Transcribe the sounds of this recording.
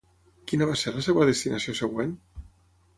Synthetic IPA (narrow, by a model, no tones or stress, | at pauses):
kinaβaseɾlasewaðest̪inʔasiosəɣwen